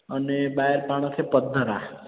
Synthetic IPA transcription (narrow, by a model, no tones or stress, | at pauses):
ənebaeɾpaːɽ̃okʰepəd̪ʱːəɾa̰